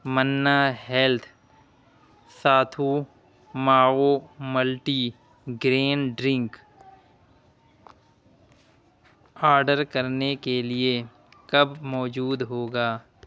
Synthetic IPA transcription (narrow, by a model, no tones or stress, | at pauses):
mənːaɦɛlt̪ʰ | saːt̪ʰu | maːoməlʈiː | ɡɾeːnɖɾɪ̃ŋk | aːɾɖəɾkəɾnekelie | kɐbmɔːd͡ʒuːd̪ɦoːɡaː